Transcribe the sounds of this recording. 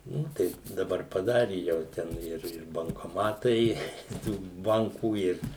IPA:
ˈnʊ tɐɪ dɐˈbɐr pɐˈdɑːrʲɪ jɛʊ ˈtʲɛn ˈɪr ɪr bɐŋkoːˈmɑːtɐɪ ɪ ˈtuː ˈbɐŋkuː ˈɪr

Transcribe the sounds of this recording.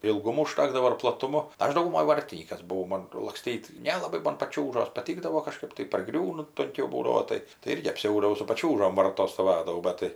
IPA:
ɪlˠˈɡʊmoː ʊˈʃtɑːɡdɐʋoː ɪr plˠɐˈtʊmoː ˈɐʃ dɐʊɡʊˈmoːj ˈʋɐrʲtʲɪnʲiːkɐs bʊˈʋɐʊ ˈmoːn lˠɐkˈsʲtʲiːt nʲɛlˠɐˈbɐɪ ˈmoːn pɐˈt͡ʃʲuːʒoːs pɐˈtʲiːɡdɐʋoː kɐˈʃkɐɪp tɐɪ pɐrˈɡrʲuːnʊ tʊŋʲˈkʲɛʊ ˈbuːdɐʋoː ˈtɐɪ tɐɪ ˈɪrʲɡʲɪ ɐpʲˈsʲɛʊdɐʋɐʊ sʊ pɐˈt͡ʃʲuːʒoːm ˈʋɐrtoːs stoːˈʋɑːdɐʋɐʊ ˈbɐt tɐɪ

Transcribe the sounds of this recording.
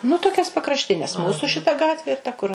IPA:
nʊ toːˈkʲɛs pɐkrɐʃʲˈtʲɪnʲɛs ˈmuːsʊ ʃʲɪˈtɐ ˈɡɑːtʲʋʲɪ ɪr tɐ kʊr

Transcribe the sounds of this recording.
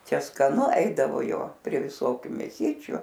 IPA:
ˈt͡ʃʲɛ skɐˈnʊ ˈɛɪdɐʋoː ˈjoː pʲrʲiɛ ʋʲɪˈsoːkʲʊ mʲeːˈsʲiːt͡ʃʲʊ

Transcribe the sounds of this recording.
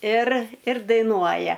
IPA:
ɪr ɪr dɐɪˈnuɔjɛ

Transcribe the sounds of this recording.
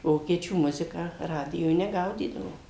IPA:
ˈʋoːkʲiɛt͡ʃʲuː ˈmʊzʲɪkɑː ˈrɑːdʲɪjoːj nʲɛˈɡɐʊdʲiːdɐʋoːm

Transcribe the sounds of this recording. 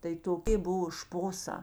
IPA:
tɐɪ toːˈkʲeː ˈbʊʋoː ˈʃpoːˌsɑː

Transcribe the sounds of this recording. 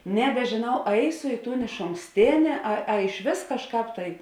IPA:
nʲɛbʲɛˈʒʲeːnɐʊ ˈɐɪsʊ ˈiː ˌtuːn ɪʃoːŋˈksʲtʲeːnʲeː ɐ ɐ ɪʃʲˈʋʲeːs kɐʃˈkɑːp tɐɪ

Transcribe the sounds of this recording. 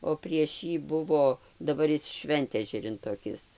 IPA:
oː pʲrʲiɛʃ ˈjiː ˈbʊʋoː dɐˈbɐr ˈjɪs ˈʃʲʋʲɛnʲtʲɛʒʲɛrʲɪn toːˈkʲɪs

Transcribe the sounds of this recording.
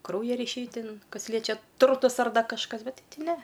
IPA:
ˈkrɐʊjɛ rʲiːˈʃʲɛɪ ˈtʲɪn ˈkɐs ˈlʲiɛt͡ʃʲɛ ˈtʊrtʊs ɐr ˈdɐ kɐʃˈkɐs ˈbʲɛtʲ ˈtʲɪ ˈnʲɛ

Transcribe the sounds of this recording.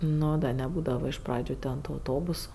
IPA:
ˈnoː dɐ nʲɛˈbuːdɐʋɐ ɪʃ ˈprɑːd͡ʒʲʊ tʲɛn tʊ ɐʊˈtoːbʊsʊ

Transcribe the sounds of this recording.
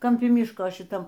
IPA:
kɐmʲˈpʲɪ ˈmʲɪʃkoː ʃʲɪˈtɐm

